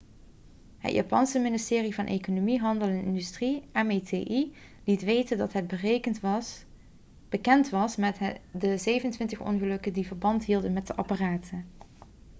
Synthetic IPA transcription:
hə̰tjʔa̰ːpɑ̰nsəmɪnɪstɪːrivɑnʔḛjkonomiɦɑndəlˠɛnɪ̰ndystriɛmetʰḛːʔi | litʋejtəndɑtɦɛd̚bər | b̥əkɛntʋɑsmɛtdəzejvənəntʋɪntəχɔ̰nχəlɵkədivəɹbɑntɦilˠdənmɛt̚dəʔɑparaːtʰən

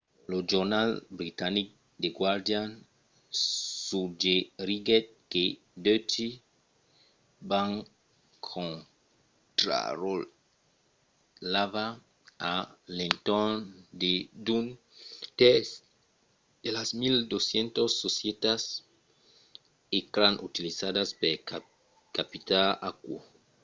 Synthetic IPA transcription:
lod͡ʒoɾnalbɾit̪anik̚ | d̪eɡwaɾd̪jan | sud͡ʒeɾiɡet̪̚ke | d̪øt͡ʃi | baŋ | kʰõn | t̪ɾa̰ɾol | lava | alent̪ond̪ed̪un | t̪es | d̪̥elasmild̪osjent̪osːosjet̪as | ekɾanʔut̪ilisadaspeɾ | kapit̪ala̰kwo̰

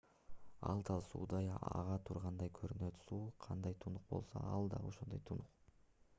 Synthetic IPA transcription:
ɑ̰lˠd̪ɑlˠsṵːd̪ɑjɑ̰ʁɑt̪ʰuɾʁɑnd̪ɑjkʰøɾynøt̪suːqʰɑnd̪ɑjt̪ʰunuq̚bo̞̰lˠso̰ɑlˠd̪ɑ̰o̞ʃond̪ojt̪ʰunuq

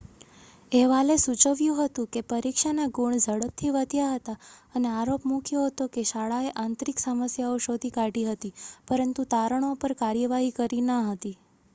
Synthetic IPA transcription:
eʋalesut͡ʃəʋjũɦət̪ũkepəɾikʃanaɡuɳd͡ʒʱəɽəp̚t̪ʰiʋəd̪ʱjaɦət̪aəneaɾopmũkʰjoɦət̪okeʃaɭaeʔãnt̪ɾiksəməsjaoʃod̪ʱikaʈiɦət̪ipəɾənt̪ut̪aɾəɳ̃opəɾkaɾjəʋaɦikəɾinəɦət̪i

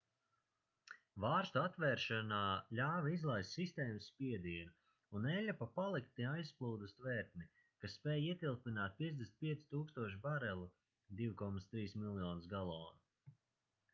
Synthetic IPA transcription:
vaːɾst̪uat̪vɛːɾʃanaːlʲaːvaizlˠajsʲsist̪ɛːmɨsspʲiɛd̪iɛnu | unːɛʎʲapapalˠikt̪nʲiajsplˠuːd̪ust̪vɛːɾt̪̚ni | kasːpɛːjiɛt̪ilˠpinaːt̪̚pʲiɛd̪esnt̪̚ʲpʲiɛt̪si̥t̪uːkst̪uɔʃ̬baɾɛlˠu | d̪iwkɔmat̪st̪ɾiːsmilˠjɔːnsɡalˠɔːnu

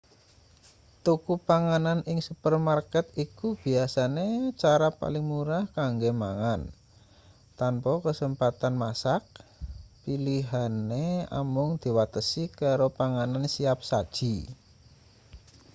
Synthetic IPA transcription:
t̪ukupaŋananʔɪŋsupərmarkɛt̪ikub̥i̤asanet͡ʃaɾapa̰lɪŋmuɾahkaŋɡemaŋan | t̪ampɔkəsəmpat̪anmasak̚piliɦanea̰mʊŋd̪̥i̤wat̪əsikaɾopaŋanansiap̚sad̥ʒ̥i̤

